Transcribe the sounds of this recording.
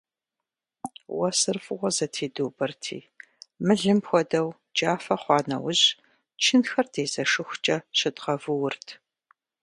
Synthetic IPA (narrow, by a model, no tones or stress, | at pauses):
wɐsɨrfʼɨʁʷɔzɐtʰeːdoːbɐrtʰḭː | mɨɮɨmpxʷɔdɐw | d͡ʒaːfɐχʷɑːnɐ̰wʊʑ | t͡ʃʰɪnxɐrdʰeːzɐʂɨxʷʊt͡ʃʼɐɕɪdʁɐvɨwʊrtʰ